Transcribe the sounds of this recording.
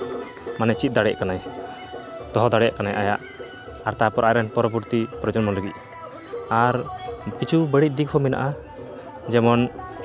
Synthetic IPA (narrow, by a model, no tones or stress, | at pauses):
manɛt͡ʃit̪̚ˀd̪aɽɛʔkanaj | t̪ɔɦɔd̪aɽɛʔkanajʔajaʔ | aɾt̪apɔɾʔajɾɛnpɔɾɔbuɾt̪ipɾɔd͡ʒɔnmɔnləɡit̪̚ˀ | aɾkit͡ʃʰubəɽit̪̚ˀd̪ikʰhɔmɛna̰ʔa | d͡ʒɛmɔn